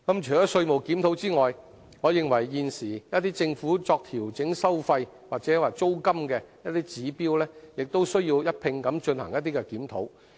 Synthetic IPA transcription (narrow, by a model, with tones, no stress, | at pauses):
kɐ˨˥mt͡ʃʰœ˨˩jɔː˨˥sɵ˧ɥmo˨˩wkiː˨˥mt̪ʰo˨˥wt͡siː˥ŋɔː˨j | ŋɔː˨˧jɪ˨˧ŋwɐ˨˩jːiː˧nsiː˨˩jɐ˥t̪iː˥t͡sɪ˧ŋfuː˨˥t͡sɔː˧k̚t̪ʰiː˨˩wt͡sɪ˨˥ŋsɐ˥wfɐ˧j | waː˨t̚t͡sɛː˨˥waː˨t͡so˥wkɐ˥mkɛː˧jɐ˥t̪iː˥t͡siː˨˥piː˥wlɛː˥jɪ˨k̚t̪o˥wsɵ˥ɥjiː˧wjɐ˥t̚pʰɪ˧ŋkɐ˨˥mt͡ʃɵ˧nhɐ˨˩ŋjɐ˥t̪̚ːiː˥kɛ˧kiː˨˥mt̪ʰo˨˥w